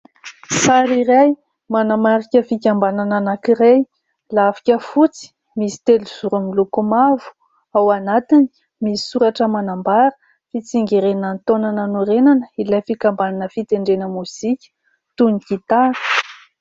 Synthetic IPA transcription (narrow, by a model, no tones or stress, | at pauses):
saɾiɾaj | manamaɾikʲəfikʲambanananakiɾej | lavi̥kʲəfut͡si̥ | misi̥t̪eluz̥uɾumilukumavu̥ | awanat̪ini̥ | misi̥suɾaʈ͡ʂəmanambaɾə̥ | fit͡siŋɡeɾenant̪onanənuɾenanəilajfikambananəfit̪eɳɖ͡ʐenəmuz̥ikʲə̥ | t̪unikit̪aɾ